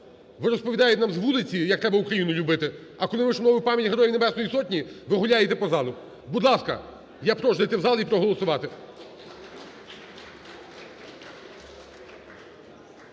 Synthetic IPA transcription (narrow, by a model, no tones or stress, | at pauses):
ʋɪɾɔspɔʋʲid̪ɑjɛt̪ʲnɑmzʋulˠɪt͡sʲijɐk̚t̪ɾɛbɐukɾɐjinʊlʲʊbɪt̪ɪɐkɔlˠɪʋɪʃɔmnɔʋʊjpɑmʲjɐtʲɦeɾɔjijnebɛsnɔjisɔtʲnʲiʋɪɦʊlʲajet̪ɛpɔzɑlˠʊ | bud̪lˠɑskɐ̰ | japɾɔʒd̪ɐjt̪ɛwzɑlˠipɾɔɦɔlˠɔsʊʋɑt̪ɪ